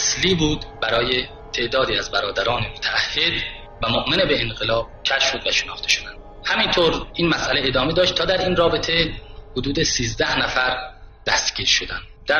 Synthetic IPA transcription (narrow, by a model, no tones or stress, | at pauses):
æsliːbuːd̪bæɾɒːje | t̪ʰe̞ʔd̪ɒːd̪iːæzbæɾɒːd̪æɾɒːnemot̪ʰæːhːe̞d̪ | væmoʔmenebe̞ːnɢelɒːb̥̚cʲʰæʃʃod̪væʃenɒːχt̪ʰe̞ʃo̞d̪ænd̪̥ | hæmint̪ʰoɾʔiːnmæsʔæleed̪ɒːme̞d̪ɒːʃt̪ʰːɒːd̪æɾiːnrɒːbet̪ʰehod̪uːd̪esiːzd̪æhnæfæɾd̪̥æst̪ɟʲiːɾʃod̪ænd̪d̪̥æ